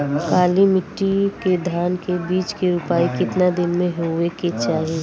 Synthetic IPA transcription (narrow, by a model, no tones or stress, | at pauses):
kaːlimɪʈːiked̪ʱaːnkebiːt͡ʃkeɾʊpaːikɪt̪nad̪ɪnmẽɦoeket͡ʃaːɦi